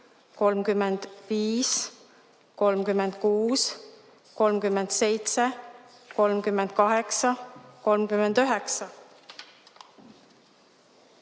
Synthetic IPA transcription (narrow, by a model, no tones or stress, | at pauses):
ko̞lmkymːend̪̥viːs | ko̞lmkymːend̪̥̚kuːs | ko̞lmkymːend̪̥se̞jt̪se | ko̞lmkymːend̪̥kɑɦe̞ksɑko̞lmkymend̪̥yɦeksɑ